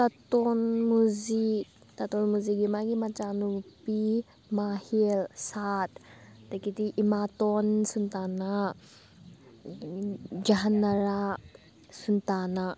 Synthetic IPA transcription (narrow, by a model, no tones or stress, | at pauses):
tatɔnmuzi | tatɔnmuziɡimaɡimat͡ʃanupi | mahilsattakitiʔimatɔnsuntana | d͡ʒaɦanːɐɾa | suntana